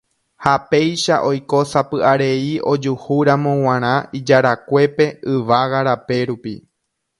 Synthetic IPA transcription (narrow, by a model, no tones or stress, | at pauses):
hape̞jʃaʔo̞jko̞sapɨʔaɾe̞io̞d͡ʒuhuɾamõ̞w̃ãɾ̃ãid͡ʒaɾakʷe̞pe̞ɨʋaɣaɾape̞ɾupḭ